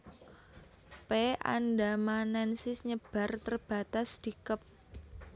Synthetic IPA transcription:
pea̰ndamanɛnsɪsɲəb̥a̤rt̪ərb̥a̤t̪asd̪̥ikəp̚

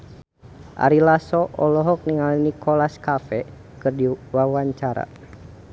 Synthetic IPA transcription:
ʔa̰ɾilasɔʔɔlɔɦɔk̚niŋalinikʰɔlaskafɛ | kɨrdiwawaɲt͡ʃaɾa̰

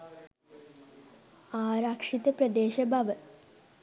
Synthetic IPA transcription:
aːɾaːkʂid̪ɐprɐd̪eːɕɐbʱɐʋɐ

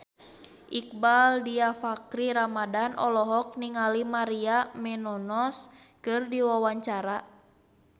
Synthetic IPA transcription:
ʔik̚baldiafakɾiɾamadanʔɔlɔɦɔk̚niŋalimaɾiamɛnɔnɔskɨrdiwawaɲt͡ʃaɾa

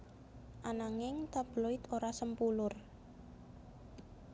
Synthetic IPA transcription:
ʔanaŋɪŋt̪ab̥loɪt̪oɾasəmpulʊr

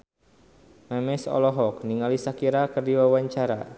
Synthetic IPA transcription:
mɛmɛsɔ̰lɔɦɔk̚niŋalisakiɾakərdiwawaɲt͡ʃaɾa̰

